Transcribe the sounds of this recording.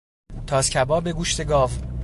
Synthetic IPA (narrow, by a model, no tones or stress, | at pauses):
t̪ʰɒːscʰʲæbɒːbe̞ɡuʃt̪eɡɒːv